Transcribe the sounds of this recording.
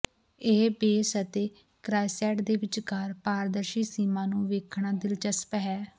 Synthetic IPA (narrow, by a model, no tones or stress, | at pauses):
eːbeːsət̪eː | kɾaːjsɛːʈd̪eːʋɪt͡ʃkaːɾpaːɾd̪əɾʃiːsiːmãːnũːʋeːkʰɳ̃aːd̪ɪlt͡ʃəspɦɛː